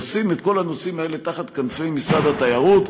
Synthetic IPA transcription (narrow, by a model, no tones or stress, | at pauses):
simet̪ko̞lanosimae̞le̞t̪aχat̪kanfejmisʁad̪at̪ajaʁut̪